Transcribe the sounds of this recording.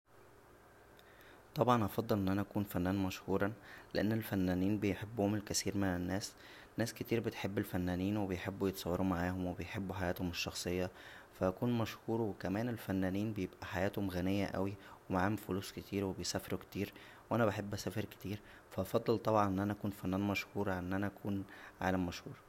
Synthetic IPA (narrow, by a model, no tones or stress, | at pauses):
t̪ˤɑbʕɑnʔɑfɑd̪ˤːɑlʔenːʔænæʔækuːnfænːæːnmæʃhuːɾˤɑleʔenːelfænːæːniːnbejħebːʊhomelkæsiːɾmenenːæːs | nːæːsket̪iːɾbet̪ħebːelfænːæːniːnwebejħebːujet̪ɑ̥sˤɑwːɑɾumaʕaːhomwebejħebːuħajæːt̪homeʃːɑxsˤejːɑ | fæʔækuːnmæʃhuːɾwekæmæːnelfænːæːniːnbejebʔæħajæːt̪homɣænejːæʔæ̰wiwemaʕaːhomfoluːsket̪iːɾwebejsæːfeɾukt̪iːɾ | wʔænæbeħebːʔæsæːfeɾke̥t̪iːɾ | fæʔɑfɑd̪ˤːelt̪ˤɑbʕɑnʔenːʔænæʔækuːnfænːæːnmæʃhuːɾˤʔenːʔænæʔækʰuːnʕa̰læmːæʃhuːɾˤ